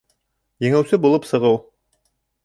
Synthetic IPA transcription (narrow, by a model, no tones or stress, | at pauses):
jɘ̆ŋæwsɘbulˠɤpsɤ̆ʁɤw